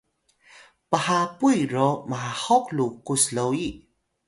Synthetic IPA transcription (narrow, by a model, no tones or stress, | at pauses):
pəhapujɾomaahɔklukuslowi